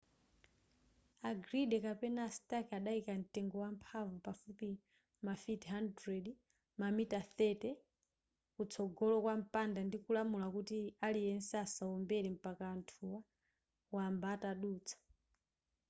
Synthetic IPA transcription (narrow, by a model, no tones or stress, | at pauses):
aɡɾiɗɛkapɛnaːsi̥takaɗaikan̩tɛŋɡɔwampʰavɔpafupi | mafitɦandɾɛd | mamitaθɛtɛ | kut͡sʰɔɡɔlɔkwam̩pandandikulamulakutialijɛnsɛasaɔmbɛɾɛm̩pakaːntʰuwa | wambaːtaɗuːt͡sʰḁ